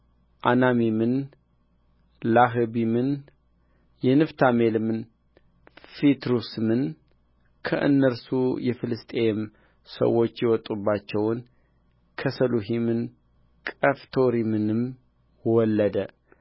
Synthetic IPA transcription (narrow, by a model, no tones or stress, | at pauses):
ʔanamimɨn | laɦɨbimɨn | jɛnɨft̪ʰamelɨmɨn | fit̪ɾusɨmɨn | kʰə̰ʔɨ̰nːəɾsujɛfɨlɨst̪ʼem | sə̰wːo̞t͡ʃːjɛwɔt̪ʼːubːat͡ʃːɛwn | kʰəsəluɦimɨn | kʼəft̪ʰo̞ɾimɨnɨm | wɔlːəd̪ə